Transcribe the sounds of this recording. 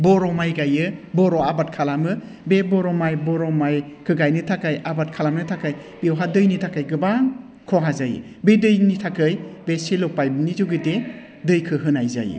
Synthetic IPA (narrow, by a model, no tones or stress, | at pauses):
bɔɾɔmajɡajɯbɔɾɔabat̚kʰalamɯ | bebɔɾɔmajbɔɾɔmajkʰɯɡajnɯtʰakajabat̚kʰalamnɯtʰakaj | b̥ewɦadɯjnitʰakajɡɯba | kʰɔɦazajɯ̰ | bedɯjnitʰakɯjbesilɔpajbnizuɡɯde | dɯjkʰɯɦɯnajza̰jɯ̰